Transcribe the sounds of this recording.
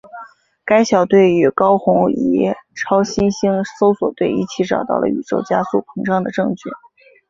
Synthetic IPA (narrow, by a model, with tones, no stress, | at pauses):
ka˥ɪɕjɑ˨˩ʊt̪we˥˩ɪy˨˩kɑ˥ʊxʊ˧˥ŋḭ˧˥ʈ͡ʂʰɑ˥ʊɕi˥nɕi˥ŋso˥ʊswɔ˨˩t̪we˥˧ɪḭ˥˩t͡ɕʰi˧˥ʈ͡ʂɑ̰˨˩ʊt̪ɑ̰˥˩ʊlə̰˩y̰˨˩ʈ͡ʂo˥˩ʊt͡ɕja˥su˥˩pʰɤ˧˥ŋʂɑ˥˩ŋd̪ə˩ʈ͡ʂɤ˥˧ŋt͡ɕʰy̰˥˩